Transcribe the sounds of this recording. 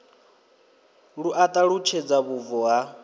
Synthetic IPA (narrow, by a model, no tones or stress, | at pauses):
ɺuʔat̪ʼaɺut͡ʃʰɛd͡zaβuvɔɦa